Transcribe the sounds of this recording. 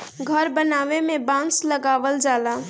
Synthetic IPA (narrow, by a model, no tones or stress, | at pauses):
ɡʱəɾbənaːʋemẽbãːsləɡaːʋəld͡ʒaːlaː